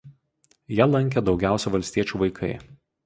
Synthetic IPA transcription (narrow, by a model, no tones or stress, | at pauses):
jɛlˠɐŋʲkʲɛd̪ɒʊɡʲæˑʊsʲɛʋɐlʲsʲt̪ʲiɛt͡ʃʲuːʋɐɪkʰɐ̰ɪ